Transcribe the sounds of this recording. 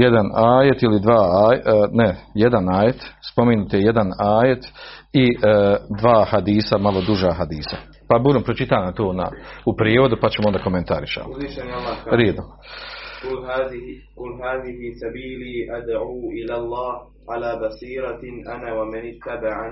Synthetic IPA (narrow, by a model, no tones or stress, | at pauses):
jed̪anaːjet̪ilid̪ʋaːaːjnejed̪anaːjet̪spo̞menut̪jed̪anaːje̞t̪id̪ʋaːhad̪iːsamalˠo̞d̪uʒaːɦad̪iːsa | pabuːɾompɾot͡ʃit̪aːnamt̪oːna̰upɾeːʋo̞d̪upat͡ɕemoond̪akoment̪aɾiʃa̰mziʃenlːaɾeːd̪o | ʊlaːkʊlːɦaːðɪhisabiːliːʔad̪ʕuːʔɪlaːlˤːɑːh | ʕalaːbasiːɾɑʔanaːwamanɪt̪ːabaʕa